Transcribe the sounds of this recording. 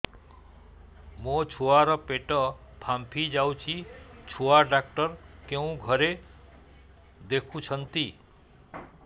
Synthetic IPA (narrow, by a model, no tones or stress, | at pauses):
mot͡ʃʰuaɾɔpeʈɔ | pʰampʰid͡ʒawt͡ʃʰit͡ʃʰuaɖak̚ʈʌɾkeũɡʱʌɾe | d̪ekʰũt͡ʃʰʌnt̪i